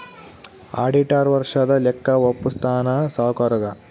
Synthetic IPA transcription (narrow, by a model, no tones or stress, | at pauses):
a̰ːɖiʈaɾʋɐɾʂɐd̪ɐlɛkːɐʋopːust̪ʰaːnɐsaːkɐɾɐɡɐ